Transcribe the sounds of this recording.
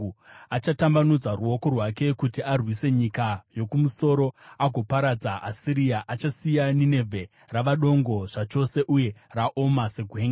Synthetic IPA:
at͡ʃatambanud͡zaruo̞ko̞rwake̞kutiarwise̞ɲikajo̞kumuso̞ɾo̞aɡʱo̞paɾad͡zaʔːsiɾiaʔat͡ʃasijanine̞vʱe̞ | raʋaɗo̞ŋɡo̞ʐ̥at͡ʃo̞se̞ʔuje̞raʔo̞maseɡʱweːŋɡa

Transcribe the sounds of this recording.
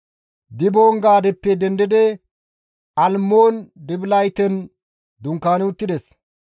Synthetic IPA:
d̪ɪboːŋɡaːd̪ɛpːɛd̪ɛnd̪ɪd̪ɛ | ɐlmoːnd̪ɪblɐjt̪ɛn | d̪ʊŋkːaːnɪʊt̪ːɪd̪ɛs

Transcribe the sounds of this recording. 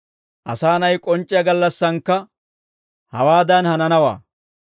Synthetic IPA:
ʔɐ̰saːnɐjkʼɔnt͡ʃʼːɪjɐɡɐlːɐsːɐŋkːɐ | hɐwaːd̪ɐnhɐnɐnɐwa̰ː

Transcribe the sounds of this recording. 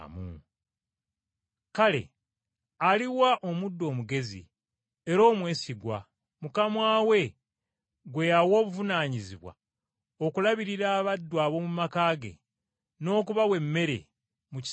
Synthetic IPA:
mṵ | kale̞̰ | aliwaʔo̞mudːo̞ːmuɡe̞zḭ | eɾo̞ːmwe̞ːsiɡwa̰ | mukamwaːwe̞ | ɡwe̞jawo̞ːβuvunaːɲiziβwa̰ | o̞kulaβiɾiɾaːβadːwaːβo̞mumakaːɡe̞̰ | no̞ːkuβawe̞mːe̞ɾe̞̰ | muci

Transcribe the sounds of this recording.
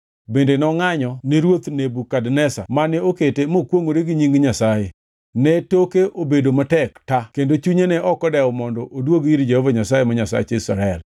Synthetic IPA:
bendenɔŋaɲɔneɾwot̪nebukadnɛsa̰manɛoketemokwoŋoɾeɡiɲiŋɡɲasaje | nɛtokeʔobedomatɛktakendot͡ʃuɲenɛʔɔkɔdɛɔmɔndɔʔodwoɡiɾd͡ʒehovaɲasajemaɲasa̰t͡ʃisaɾaɛl

